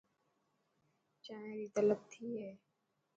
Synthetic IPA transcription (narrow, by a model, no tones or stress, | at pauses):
t͡ʃaːẽːɾiːt̪ələb̚t̪ʰiːɦɛː